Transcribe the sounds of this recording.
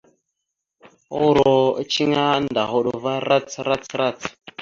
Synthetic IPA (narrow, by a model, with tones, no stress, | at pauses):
o˦ɾo̰˨˦t͡ʃi˦ŋa˦nda˨ɦo˦ɗo˨va˦ɾa˦t͡sɾa˦t͡sɾa˦˨t͡s